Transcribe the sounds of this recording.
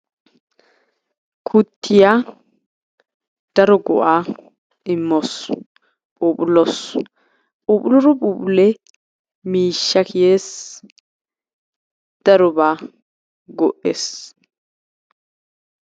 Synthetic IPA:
kʰʊt̪ːɪja | d̪̥ɐɾɔɡɔ̰ʔaː | ɪmːɔs | pʼuːpʼʊlɔs | pʼuːpʼʊlɔɾɔpʼuːpʼʊlɛ | miːʃːɐkʰɪjeːs | d̪̥ɐɾɔbaː | ɡɔʔes

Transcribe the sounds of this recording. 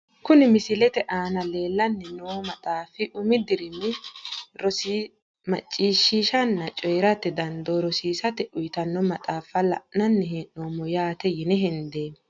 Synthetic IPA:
kʊnɪmɪsɪlɛt̪ɛʔaːnɐle̞ːlːɐnːɪnoːmɐt̪ʼaːfɪʔʊmɪd̪ɪɾɪmɪɾɔs | mɐt͡ʃʼːiːʃːiːʃɐnːɐt͡ʃʼɔjɾɐt̪ɛd̪ɐnd̪oɾɔsiːsɐt̪ɛʔʊjt̪ɐnːɔmɐt̪ʼaːfɐlɐ̰ʔnɐnːɛɦɛnːoːmɔjaːt̪ɛjɪnɛɦɪnd̪eː

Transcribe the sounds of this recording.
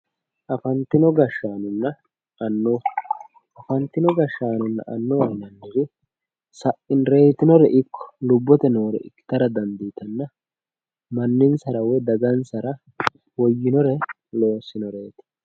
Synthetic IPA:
ʔɐfɐnt̪ɪnɔɡɐʃːaːnʊnːɐ | ɐnːoː | ʔɐfɐnt̪ːɪnɔɡɐʃːaːnʊnːɐ̰ʔɐnːɔwɐnɐnːɪɾɪ | sɐʔɪnɾeːt̪ɪnɔɾɛʔɪkːɔ̥lʊbːɔt̪ɛnoːɾɛ̰ʔɪkːɪ̥t̪ɐɾɐd̪ɐnd̪iːt̪ɐnːɐ | mɐnːɪnsɐɾɐwɛd̪ɐɡɐnsɐɾɐ | wɔjːɪnɔɾɛ | lo̞ːsːɪnɔɾeːt̪ɛ̥

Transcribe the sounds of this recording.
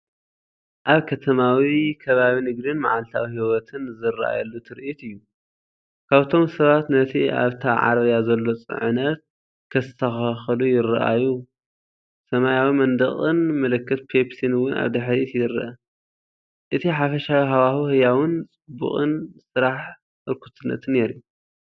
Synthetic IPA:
ʔaβkʰɐt̪ʰɐmawikʰɐβaβinɨɡd̪ɨnmaʕalt̪ʰawihiwɔt̪ʰɨnzɨɾʔa̰jɐlːut̪ʰɨɾʔit̪ɨjːu | kʰaβt̪ʰo̞msɐβat̪nɐt̪ʰia̰βt̪ʰaʕa̰ɾβjazɐlːo̞t͡sʼɨ̰ʕɨnɐt̪̚ | kʰɐst̪ʰɐxaxɨlujɪrʔa̰ju | sɐmajawimɐnd̪ɐχʼɨnmɐlɨkʰːɨt̪̚pʰepsinwʊna̰βd̪ɨħɾit̪jɪɾɐ̰ʔɐ | ʔɨt̪ʰiħafɐʃawiɦawaxuhɨjawɨnt͡sʼɨbːṵχʼɨnsɨɾaħ | ʔɨɾkʰut̪ʰɨnːɐ̰t̪ʰɨnːe̞ɾiju

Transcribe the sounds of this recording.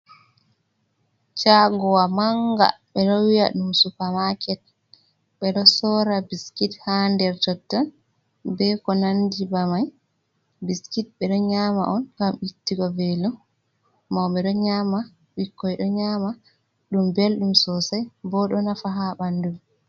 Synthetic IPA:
t͡ʃaɡɔwamaŋɡa̰ɓɛɗɔwija̰ɗumsupamakɛt̚ | ɓɛɗɔsɔɾabiskithandɛɾtɔtːɔn | bɛkɔnandibamaj | biskit̚ɓɛɗɔɲama̰ʔɔnkamitːiɡɔvelumː | awɓɛɗɔɲama | wikːɔjɗɔɲama | ɗumbelɗumsɔsajbɔɗɔnafaɦaɓandum

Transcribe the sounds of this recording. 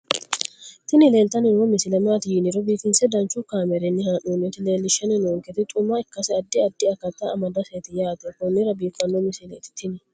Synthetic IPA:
t̪ɪnɪle̞ːlt̪ɐnɪnomɪsɪlɛmaːt̪ɪjinɪɾɔbiːkɪnsɛd̪ɐnt͡ʃːʊkaːmɛɾɛnːɪhanunɪt̪ɪle̞ːlːɪʃɐnɪnoːŋkɛt̪ɪt̪ʼʊmːaɪkːɐsɛɐd̪ːɪɐd̪ːɪɐkːɐt̪ːaɐmɐd̪ɐseːt̪ɪjaːt̪ɔkʊnːɪɾɐbiːkːɐnːɔmɪsɪlet̪ɪ̥t̪ʰɪnɪ

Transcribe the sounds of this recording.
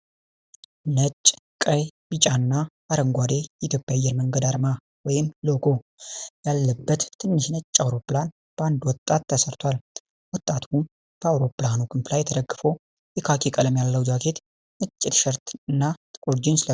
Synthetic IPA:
nət͡ʃʼːkʼəjb̥it͡ʃʼanːa | aɾəŋɡʷad̪e̞jɛit̪jo̞pʼːjajːɛɾməŋɡəd̪aɾma | wɔjɪmloɡo̞jalːəbːət̪ʰːɨnːɨʃnət͡ʃʼːawɾo̞pːlan | b̥əand̪wɔt̪ʼːat̪ʰːəsəɾt̪ʰwʷal | wɔt̪ʼːat̪ʰu | b̥əawɾo̞pːlanukʰɨmflajːɛt̪ʰəd̪əɡːɨfow | jɛkʰakʰekʼələmjalːəwd͡ʒakʰe̞t̪ | nɨt͡ʃʼːɪt̪ʃəɾt̪ʰɨnːat̪ʼɨkʼuɾd͡ʒins

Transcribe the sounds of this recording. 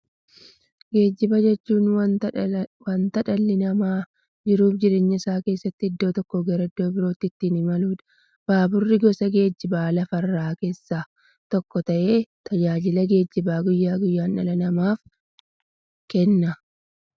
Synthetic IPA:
ɡe̞ːd͡ʒːɪbɐd͡ʒɛt͡ʃːuːnw | wɐnt̪ɐᶑɐlːɪnɐmaː | d͡ʒɪɾuːfd͡ʒɪɾe̞ːɲːɐɪsaːke̞ːsːɐt̪ːɪɪd̪ːo̞ːt̪ɔkːoɡɛɾɐd̪ːo̞ːbɪɾo̞ːt̪ːɪt̪ːinɪmɐluːᶑ̪ɐ̥ | b̥aːbʊrːɪɡɔsɐɡe̞ːd͡ʒːɪbaːlɐfɐrːaːke̞ːsːaː | t̪ɔkːɔt̪ɐʔe̞ːt̪ɐd͡ʒaːd͡ʒɪlɐɡe̞ːd͡ʒːɪbaːɡʊjːaːɡʊjːaːnːɐ̰lɐnɐmaːf | kɛnːɐ

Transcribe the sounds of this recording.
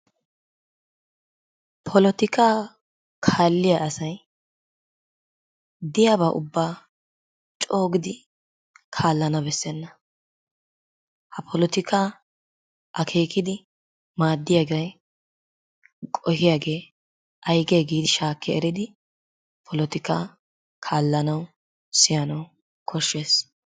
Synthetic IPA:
pʰɔlɔt̪ɪkʰaː | kʰaːlːɪjaʔɐsɐj | d̪ɪjaːβaːʔʊ̰bːaː | t͡ʃʼo̞ːɡɪd̪ɪ | kʰaːlːɐnɐbɛsːɛnːɐ | hɐpʰɔlɔt̪ɪkʰaː | ʔɐkʰe̞ːkɪd̪ɪ | maːd̪ːɪjaːɡɐj | kʼɔhɪjaːɡe̞ː | ʔɐjɡeːɡeːd̪ʃaːkʰːɛɛɾɪd̪ɪ | pʰɔlɔt̪ɪkaː | kʰaːlːɐnɐw | sɪjɐnɐw | kʰɔʃːe̞ːs

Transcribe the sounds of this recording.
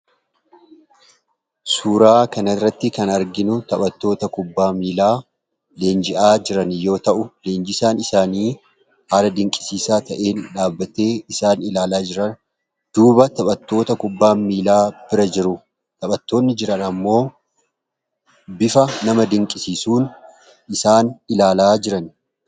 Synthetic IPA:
suːɾaːkɐnɐrːɐt̪ːɪkɐnɐɾɡɪnʊt̪ɐɓɐt̪ːo̞ːt̪ɐkʊbːaːmiːlaː | le̞ːnd͡ʒɪʔaːd͡ʒɪɾɐnjo̞ːt̪ɐʔʊle̞ːnd͡ʒɪsaːnɪsaːniː | haːlɐd̪ɪŋkʼɪ̥siːsaːt̪ɐʔe̞ːnᶑaːbːɐt̪e̞ːɪsaːnɪlaːlaːd͡ʒɪɾɐn | d̪̥uːbɐt̪ɐɓɐt̪ːo̞ːt̪ɐkʊbːaːmiːlaːb̥ɪɾɐd͡ʒɪɾʊ | t̪ɐɓʼɐt̪ːo̞ːnːɪd͡ʒɪɾɐnɐmːo̞ː | bɪfɐnɐmɐd̪ɪŋkʼɪsiːsuːn | ɪsaːnɪlaːlaːd͡ʒɪɾɐn

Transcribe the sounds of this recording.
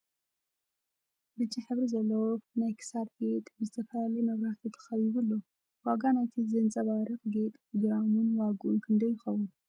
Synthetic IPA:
bɨt͡ʃʼːiħɨβɾizɐlːɐwonajkʰɨ̥sabɡe̞t̪ʼbɨzɨt̪ʰɐfɐlalɐjmɐβɾahat̪ʰot̪ʰɨ̥xɐβiβɨlːo | waɡanajt̪ʰizɐnt͡sʼɐβaɾɨkɡe̞t̪ʼpɾoɡɾamunwaɡuʔunkʰɨnd̪ɐjːɪxɐwun

